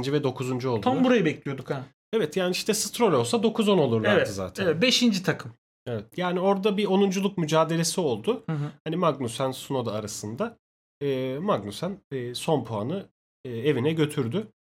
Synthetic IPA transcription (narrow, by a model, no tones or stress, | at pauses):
nd͡ʒivɛd̪o̞kʰuzund͡ʒuo̞lˠd̪ʰanbuɾajɯbɛclʲijo̞d̪uka | evɛt̪jaːniiʃt̪ɛsɯ̥t̪ɾo̞lʲo̞lˠsad̪o̞kʰuzo̞no̞lˠuɾlˠaɾvɛd̪ɯza̰ːt̪ʰæɛvɛt̪beʃind͡ʒit̪ʰakʰɯm | evɛt̪jaːnio̞ɾd̪abio̞nund͡ʒulˠuk̚myd͡ʒaːd̪e̞lʲe̞sio̞lˠd̪ʊhanimaɡnusænsuno̞d̪aɾasɯnd̪a | ɯːmaɡnusænːso̞npʰoanɯ | ɯːe̞vinɛɟø̞t̪ʰyɾd̪y